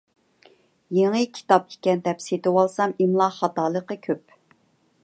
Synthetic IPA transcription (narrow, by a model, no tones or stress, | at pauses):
jeŋɨkʲʰi̥t̪ɑp̚i̥kʲɛnd̪ɛpset̪ɪwɑlˠsɑmimlˠɑχɑt̪ɑːlˠəqəkʲʰøp̚